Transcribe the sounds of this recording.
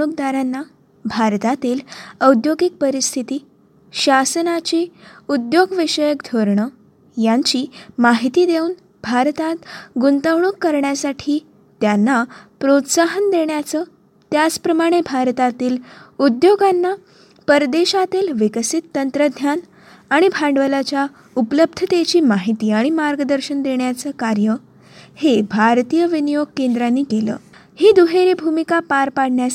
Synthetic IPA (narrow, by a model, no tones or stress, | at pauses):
uk̚d̪aɾanːa | bʱaɾt̪at̪iːləwd̪joɡik̚pəɾist̪ʰit̪iː | ɕasənat͡ɕiːud̪joɡʋiɕəjəkd̪ʱoɾɳə | jaɲt͡ɕiːmaɦit̪iːd̪eun | bʱaɾt̪at̪ɡunt̪əwɳuːkːəɾɳjasaʈʰiː | t̪janːapɾot̪saɦənd̪eɳjat͡sə | t̪jat͡spɾəmaɽ̃ebʱaɾt̪at̪iːlud̪joɡanːa | pəɾd̪eɕat̪iːlʋikəsit̪ːənt̪ɾəd̪ʱjan | aɽ̃ibʱãɳɖʋəlat͡ɕja | upləb̚d̪ʱət̪et͡ɕiːmaɦit̪iːaɽ̃imaɾɡəd̪əɾɕənd̪eɳjat͡səːkaɾjə | hebʱaɾt̪ijəʋinijoɡ̚kend̪ɾanːiːkelə̰ː | hiːd̪uɦeɾibʱumikapaɾpaɽɳja